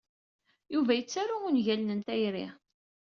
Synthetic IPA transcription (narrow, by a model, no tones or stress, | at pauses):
juvæjət͡sːaɾuunʝælnənt̪æjɾḭ